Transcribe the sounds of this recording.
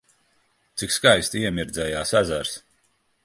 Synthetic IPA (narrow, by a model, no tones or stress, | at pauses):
t̪sikskajst̪iɛmiɾd̪zɛjaːsazæɾs